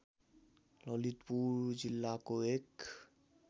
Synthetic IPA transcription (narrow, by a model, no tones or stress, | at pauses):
lɔlit̪puɾd͡ʒilːakoek